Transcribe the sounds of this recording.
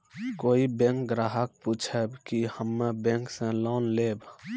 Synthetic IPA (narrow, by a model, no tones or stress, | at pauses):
koːibẽŋkɡɾaːɦək̚puːt͡ʃʰəbkihəmːebẽŋksẽlɔːnleːb